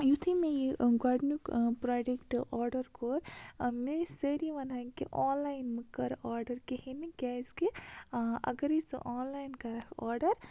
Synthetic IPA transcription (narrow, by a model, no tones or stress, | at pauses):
jut̪ʰimejiɡaɖnukpɾaːd͡ʒekʈɔːɾɖɐɾkoːɾmeseɾiʋɐnaːkeʔɔːnlaːjnmekɐɾaːɾɖɐɾkehiniɡaːske | ɐ̰ɡɐɾisʔaːnlaːjnkɐɾɐkʰɔːɾɖɐɾ